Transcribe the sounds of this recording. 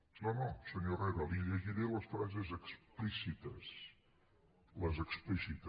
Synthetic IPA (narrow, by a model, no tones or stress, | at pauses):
nonosəɲorɛðəlˠiʎəʒiɾeləsfɾazezəksplisit̪əs | ləzəksplisit̪ə